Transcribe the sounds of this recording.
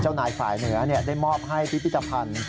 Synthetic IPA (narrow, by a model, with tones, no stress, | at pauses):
t͡ɕaː˥˩wnaː˨˩˦jfa̰ː˨˩jnɯ˩˦ɐni˥˩ɐdaː˥˩jmɔː˥˩p̚ɦa˥˩jpʰi˦˥pʰi˥˩t̪ːa˧pʰa˧n